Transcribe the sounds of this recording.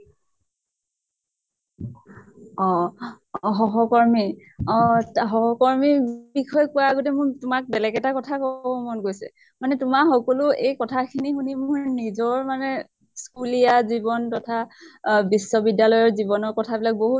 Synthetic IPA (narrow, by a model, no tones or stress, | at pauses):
ɔ | ɦɔɦɔkɔɹmi | ɔtɦɔɦɔkɔɹmibikʰɔjkʊaɡotɛmʊɹtʊmak̚bɛlɛɡɛtakɔtʰakɔbɔmɔnɡojsɛ̰ | manɛtʊmaxɔkɔlʊejkɔtʰakʰinixunimʊɹnizɔɹmanɛ | skulijazibɔntɔtʰabisːɔbidalɔjɔɹzibɔnɔɹkɔtʰabilak̚boɦut